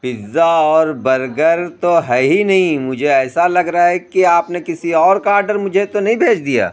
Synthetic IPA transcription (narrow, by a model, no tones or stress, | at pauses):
pɪzːaɔːɾbɐɾɡəɾt̪oɦɛɦinɐɦĩmʊd͡ʒʱeɛːsalɐɡɾaaɦɛkiaːpnekɪsiɔːɾkaːɾɖəɾmʊd͡ʒʱet̪onɐɦĩbʱeːt͡ʃʰd̪ija̰ː